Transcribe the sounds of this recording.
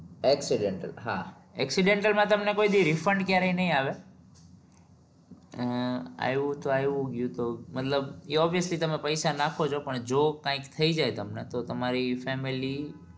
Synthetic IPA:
eksiɖeɳʈə̰lɦa | ɛksiɖẽɳʈəlmãt̪əmnekoid̪iɾɪfəɳɖkjaɾeĩnəɦĩaʋe | a̰ʋũt̪oajʋũɡjũt̪omət̪ləbiɔbijəslit̪əmẽpəjsanakʰot͡ʃʰopəɳd͡ʒokãɪ̃kt̪ʰəid͡ʒaet̪əmnet̪ot̪əmaɾifɛmili

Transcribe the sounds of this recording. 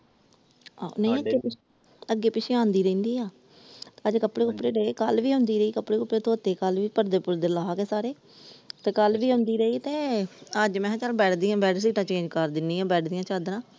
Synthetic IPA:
a̰ːnəiəɡeːpɪ | əɡːeːpɪt͡ʃʰeːãːnd̪iːɾə̃ĩːnd̪iːaː | t̪eːəd͡ʒkəpɽeːkəpɽeːɾeeːkəlʋiːɦʊ̃ːnd̪iːɾəiːkəpːɽeːkəpːɽeːt̪ʰoːt̪eːkəlʋiːpəɾd̪eːpʊɾd̪eːlaːaːkeːsaːɾeː | t̪eːkəlʋiːɦʊ̃nd̪iːɾəiːt̪eːəd͡ʒmɛ̃ːɦãt͡ʃaːlbɛːʈʰd̪iːjãːbɛːʈs̬iːʈãːt͡ʃẽːɲd͡ʒkəɾd̪ɪnːiːãːbɛːʈʰd̪ijãːt͡ʃaːd̪ɾãː

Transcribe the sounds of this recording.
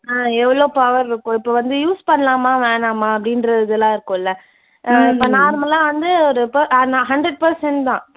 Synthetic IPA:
aːɛʋːɐɭoːpɐʋɐɾɪɾɯkːʊ̃ːɪpːoːʋɐnd̪ɯjuːspɐɳːɐlaːmaːʋeːɳaːmaːɐp̬ːɐɽɪnɾɐɪðɯlãːɪɾɯkːʊ̃ːɪlːɐ | ʔãːɪpːoːnaːɾɯmɐlãːʋɐnd̪ɯɔɾɯpɐanaɦɐɳɖɾɛɖ̚pɐɾsɛɳʈt̪ãː

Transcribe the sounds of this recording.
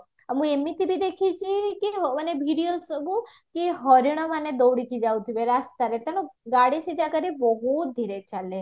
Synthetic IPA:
əmũemit̪ibʱid̪ekʰit͡ʃʰikiɦənebʱiɽiolsɔbu | kiɦɔɾiɽ̃ɔmaned̪owɽikid͡ʒaut̪ʰibeɾast̪aɾet̪ɐñũɡaɽised͡ʒakəɾibɔɦut̪̚d̪ʱiɾet͡ʃale

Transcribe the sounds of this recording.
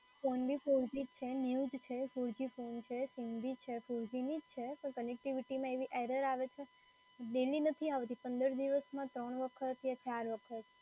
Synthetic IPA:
fonbʱifuɾd͡ʒid͡ʒt͡ʃʰeniud͡ʒt͡ʃʰefuɾd͡ʒifont͡ʃʰesiŋɡb̪it͡ʃʰefuɾd͡ʒinid͡ʒt͡ʃʰepəɳkənek̚ʈiʋiʈimãeʋiʔeɾəɾaʋet͡ʃʰe | ɖ̪elinət̪ʰiaʋt̪ipə̃nd̪əɾd̪iʋəsmãt̪ɾəɳʋəkʰət̪jat͡ʃaɾʋəkʰət̪

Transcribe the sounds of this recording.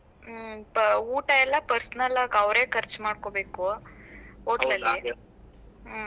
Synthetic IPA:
uːʈɐɛlːɐpɐɾsnɐlaːɡɐwɾeːkʰɐɾt͡ʃmaːɖ̚kobeːku | oːlɐlːi

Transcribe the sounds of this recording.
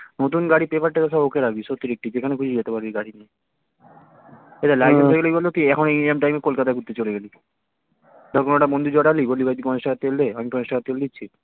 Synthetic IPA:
not̪unɡaɽipepaɾʈek̪es̬ʰɔbɦokeɾaɡbiʃot̪ːiɾek̚ʈipekʰanekʰud͡ʑʰʱid͡ʑet̪epaɾbiɡaɽinie | et̪alajeoɡeliibolːot̪iɛkʰoneemʈajmekolkat̪akuɾt̪et͡ɕoleɡeli | d̪ɔɾkʰonoʈabond̪ʱud͡ʑɔɽalibolːibajt̪ikɔneʃʈakʰat̪ːeld̪eamikɔneʃʈakat̪ːeled̪itːɕʰi

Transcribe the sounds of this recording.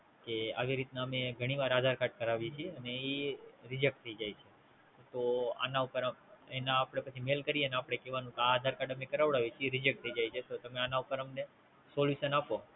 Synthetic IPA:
kea̰ʋiɾit̪naəmeɡʱəɽ̃iʋaɾad̪ʱaɾkaɖ̚kəɾaʋit͡ʃʰiəneiɾɪd͡ʒek̚ʈt̪ʰəid͡ʒajt͡ʃʰe | t̪oa̰naupəɾenaːpɽ̃epət͡ʃʰimelkəɾijeneapɽ̃ekeʋanũk̪eaːd̪ʱaɾkaɖəmekəɾaʋɽaʋit͡ʃʰeɾɪd͡ʒek̚t̪ʰəid͡ʒajt͡ʃʰet̪ot̪əmeanaupəɾəmne | soljuʃənapo

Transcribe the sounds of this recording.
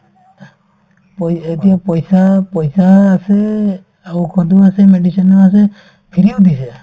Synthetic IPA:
pɔet̪ijapɔjsapɔjsaːse | aukʰɔd̪uasemeɖisɔnɔas̬e | pʰiɾiud̪ise

